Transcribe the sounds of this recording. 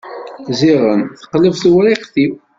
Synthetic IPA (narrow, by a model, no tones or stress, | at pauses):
ziʁənθə̥qləvθwɾiqθiw